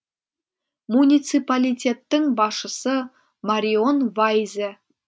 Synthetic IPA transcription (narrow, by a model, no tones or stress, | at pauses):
munʲit̪sɨpalʲit̪ʲe̞t̪ːəŋbɑʃəsə | maɾʲionvajze